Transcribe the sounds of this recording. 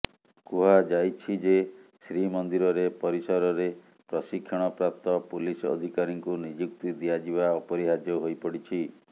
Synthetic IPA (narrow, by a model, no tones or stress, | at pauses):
kuɦad͡ʒajt͡ʃʰid͡ʒesɾimɔnd̪iɾɔɾepɔɾisɔɾɔɾe | pɾɔsikʰjɔɽ̃ɔpɾap̚t̪ɔpulisɔ̰d̪ʱikaɾiŋkunid͡ʒuk̚t̪id̪iad͡ʒibaɔpɔɾiɦad͡ʒɔɦojpɔɽit͡ʃʰi